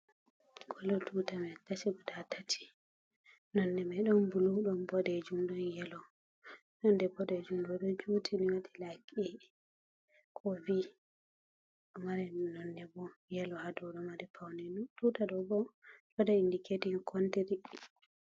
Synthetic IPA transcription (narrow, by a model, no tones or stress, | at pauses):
kʰɔlɔtʰutamɛtat͡ʃiɡɔdatʰatʰi̥ | nɔnːɛmɛɗɔmbuluɗɔnbɔdɛd͡ʒumɗɔnjɛlɔ | nɔndɛbɔdɛd͡ʒumɗɔɗɔd͡ʒutʰiniwatilakɛ | kʰɔvi | maɾɛnɔnːɛbɔjɛlɔhadɔɗɔmaɾɛpʰawnɛntutaɗɔbɔd͡ʒɔdaindikedinkʰɔntiɾi